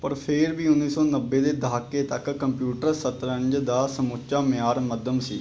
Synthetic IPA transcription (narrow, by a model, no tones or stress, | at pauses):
pəɾpʰeːɾbiːʊnːiːsɔːnəbːeːd̪eːd̪aːkːeːt̪əkːəmpjuːʈəɾsət̪ɾəɲd͡ʒd̪aːsəmʊt͡ʃaːmɪjaːɾməd̪əmsḭː